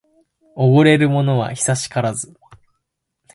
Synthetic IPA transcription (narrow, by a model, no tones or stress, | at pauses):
oɡoɾe̞ɾɯ̟mo̞no̞β̞a̰çi̥saɕi̥kaɾazɨ